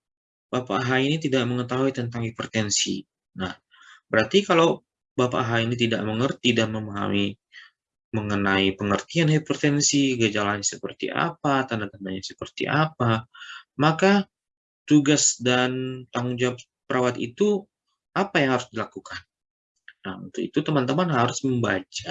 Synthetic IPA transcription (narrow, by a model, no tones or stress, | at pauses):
bapa̰ɦainit̪idaʔ̚məŋət̪aɦuit̪ənt̪aŋheport̪ɛnsḭ | nah | bəɾart̪ikalaw | bapa̰ɦainit̪ida̰ʔ̚məŋərt̪idanməmaɦa̰mi | məŋənaipəŋərt̪ianheport̪ɛnsiɡəd͡ʒalaɲasəpərt̪ḭʔa̰pat̪amant̪əmanɲasəpərt̪ḭʔapamaka | t̪uɡasdant̪aŋuŋd͡ʒap | pəɾʔawat̪ḭt̪u | ʔapajaŋhaɾʊsdilakukʰan | naṵnt̪uḭt̪ut̪əmant̪əmanɦaɾʊsməmba̰d͡ʒa